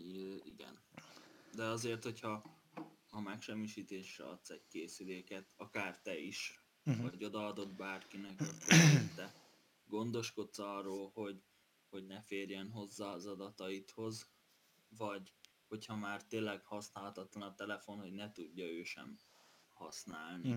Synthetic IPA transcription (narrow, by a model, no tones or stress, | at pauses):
iɡɛ̰n | d̪ɛɒzeːrt̪ho̞chɒː | mɛkʃɛmːiʃiːt̪eːʃrɛ̰ɒ̰t̪sɛɟkeːsyleːkɛt̪ɒkaːrt̪ɛiʃ | vɒɟo̞d̪ɒɒd̪o̞d̪baːrkinɛkkːøt̪ːɛ | ɡo̞nd̪o̞ʃko̞t̪sɒrːoːlho̞ɟ | ho̞ɟnɛfeːrjɛnɦo̞zːaːzɒd̪ɒt̪ɒit̪ho̞z | vɒɟ | ho̞chɒmaːrt̪eːlɛɡhɒsnaːlɒt̪ɒt̪lɒnɒt̪ɛlɛfo̞nho̞ɟnɛt̪uɟːɒøːʃɛ̰mhɒsnaːlni